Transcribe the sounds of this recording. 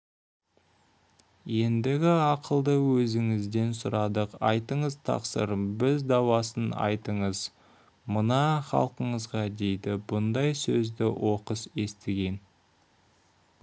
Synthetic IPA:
je̞nd̪ɪɡʲɪɑqəlˠd̪əwɵzɪŋɪzd̪e̞nsʊɾɑd̪əqɑjt̪əɴəzt̪ʰɑ̰qsə̰ɾbɪzd̪ɑwɑsənɑ̰jt̪əɴəz | mənɑχɑ̰lˠqəɴəzʁɑd̪e̞jd̪ɪbʊnd̪ɑjsɵzd̪ɪwʔo̞qəse̞st̪ɪɡʲe̞n

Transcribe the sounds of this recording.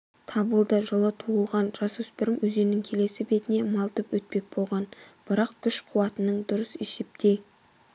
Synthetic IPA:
t̪ʰɑbəlˠd̪əʒəlˠət̪ʰuəlˠʁɑnʒɑsuspɪɾɪmwɵze̞nɪŋkʲʰe̞le̞sɪbe̞t̪ɪne̞mɑlˠt̪əpwɵt̪̚pe̞k̚bolˠʁɑnb̥ɪɾɑqkʲʰʏʃqʰuwɑt̪ənəɴd̪ʊɾəseʃɪp̚t̪ʰej

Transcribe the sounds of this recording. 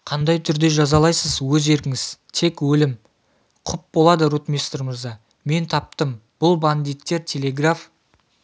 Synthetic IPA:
qʰɑnd̪ɑjt̪ʰʏɾd̪e̞ʒɑzɑlˠɑjsəzwɵze̞ɾkʲɪŋɪz̥t̪ʰe̞kwɵlɪm | qʰʊp̚bolˠɑd̪əɾut̪mʲest̪rmɪɾzɑ | me̞nt̪ʰɑp̚t̪əmb̥ʊlˠband̪ijt̪ːe̞ɾt̪ʲʰe̞le̞ɡraf

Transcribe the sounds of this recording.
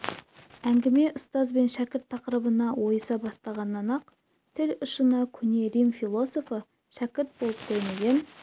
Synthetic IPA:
æŋɡʲɪme̞ʔʊst̪ɑzbe̞nʃækʲɪɾt̪ʰːɑqəɾəbənɑwo̞jəsɑbɑst̪ɑʁɑnːɑnɑq | t̪ʰɪlʊʃənɑkʲʰʏne̞ɾimfilˠo̞so̞fə | ʃækʲɪɾt̪̚bo̞lˠəp̚t̪ʰejmeɡʲen

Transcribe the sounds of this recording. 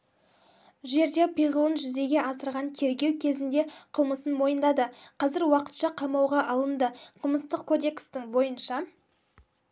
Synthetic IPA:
ʒe̞ɾd̪e̞bʰijʁəlˠənʒʏze̞ɡʲe̞ʔɑsəɾʁɑnt̪ʰe̞ɾɡʲe̞wkʲʰe̞zɪnd̪e̞qʰəlˠməsənmo̞jənd̪ɑd̪əqʰɑzɪɾwɑqə̥t̪ʃɑqʰɑmɑwʁɑʔɑlˠənd̪əqʰəlˠməst̪əqkʰo̞d̪e̞kst̪ɪŋbo̞jənʃɑ

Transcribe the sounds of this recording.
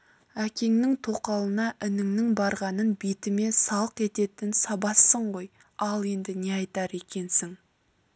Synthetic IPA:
ækʲe̞ŋnɪŋt̪ʰo̞qɑlˠənɑʔɪnɪŋnɪŋbɑɾʁɑnənbet̪ɪme̞sɑlˠəqe̞t̪e̞t̪ɪnsɑbɑsːəɴʁo̞j | ɑlˠe̞nd̪ɪne̞ɑjt̪ɑɾe̞kʲe̞nsɪŋ

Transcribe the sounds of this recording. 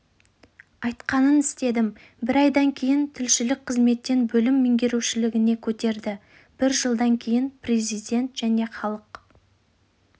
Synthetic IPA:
ɑjt̪qɑnənɪst̪e̞d̪ɪm | bɪɾɑjd̪ɑŋkʲʰe̞jɪnt̪ʰɪlʃɪlɪk̚qʰəzme̞t̪ːe̞nbɵlɪmːeŋɡʲe̞ɾuwʃɪlɪɡʲɪne̞kʲʰɵt̪e̞ɾd̪ɪ | b̥ɪɾʒəlˠd̪ɑŋkʲʰe̞jɪnpʰre̞zijd̪ʲe̞nt̪ʒ̥æne̞χɑlˠəq

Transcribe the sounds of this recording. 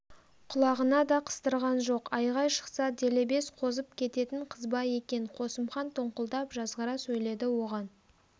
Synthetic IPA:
qʰʊlˠɑʁənɑd̪ɑqʰə̥st̪əɾʁɑnʒo̞qɑjʁɑjʃə̥qsɑd̪ele̞be̞sqʰo̞zəp̚kʲʰe̞t̪e̞t̪ɪɴqʰəzbɑje̞kʲe̞ɴqʰo̞səmχɑnt̪ʰoɴqəlˠd̪ɑpʒɑzʁəɾɑsɵjle̞d̪ɪwo̞ʁɑn

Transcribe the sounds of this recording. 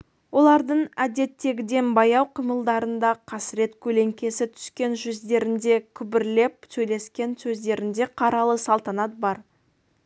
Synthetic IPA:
wo̞lˠɑɾd̪əɴæd̪e̞t̪ːe̞ɡʲɪd̪e̞nbɑjɑwqʰijməlˠd̪ɑɾənd̪ɑqʰɑsɪɾe̞t̪kʲʰɵle̞ŋkʲe̞sɪt̪ʰʏ̥skʲe̞nʒʏzd̪e̞ɾɪnd̪e̞kʲʰʏbɪɾle̞p̚sɵjle̞skʲe̞nsɵzd̪e̞ɾɪnd̪e̞qʰɑɾɑlˠəsɑlˠt̪ɑnɑt̪̚bɑɾ

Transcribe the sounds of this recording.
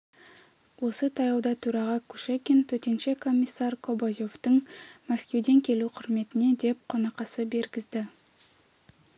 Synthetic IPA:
wo̞sət̪ʰɑjɑwd̪ɑt̪ʰuɾɑʁɑkʰuʃekʲent̪ʰɵt̪e̞nʃekʰo̞mʲːijsːɑɾkʰo̞bozo̞ft̪əɴmæskʲe̞wd̪e̞ŋkʲʰe̞luqʰʊɾme̞t̪ɪne̞d̪e̞p̚qʰo̞nɑqɑsəbe̞ɾɡʲɪzd̪ɪ

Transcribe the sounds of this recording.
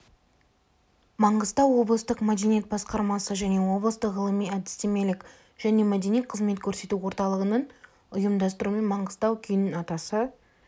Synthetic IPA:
mɑɴʁəzt̪ɑwːo̞blˠəst̪əqmæd̪e̞nijet̪̚bɑsqɑɾmɑsəʒæne̞wo̞blˠəst̪əqʁəlˠəmijæd̪ɪ̥st̪e̞me̞lɪkʲ | ʒ̥æne̞mæd̪e̞nijet̪qʰəzme̞t̪̚kʲʰɵɾse̞t̪uwo̞ɾt̪ɑlˠəʁənəɴ | ʊjəmd̪ɑst̪əɾume̞nmɑɴʁəz̥t̪ɑwkʲʰʏjnɪnɑt̪ɑsə

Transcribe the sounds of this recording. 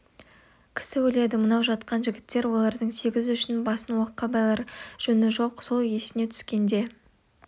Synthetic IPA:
kʲʰɪ̥sɪwɵle̞d̪ɪmənɑwʒɑt̪qɑnʒɪɡʲɪt̪ːe̞ɾwo̞lˠɑɾd̪əɴse̞ɡʲɪzʏʃɪnbɑsənwoqːɑbɑjlˠɑɾʒ̥ɵnɪʒo̞qso̞lˠje̞sɪne̞t̪ʰʏ̥skʲe̞nd̪e̞

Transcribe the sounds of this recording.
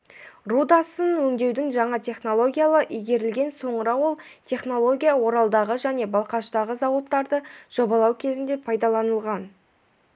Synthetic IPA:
rud̪asənwɵŋd̪e̞wd̪ɪŋʒɑɴɑt̪ʲʰe̞χno̞lˠo̞ɡʲijalˠəʔijɡʲe̞ɾɪlɡʲe̞nso̞ɴəɾɑwo̞lˠt̪ʰe̞χno̞lˠo̞ɡʲijawo̞ɾɑlˠd̪ɑʁəʒæne̞bɑlˠqɑʃt̪ɑʁəzɑwot̪ːɑɾd̪əʒ̥o̞bɑlˠɑwkʲʰe̞zɪnd̪e̞pʰɑjd̪ɑlˠɑnəlˠʁɑn

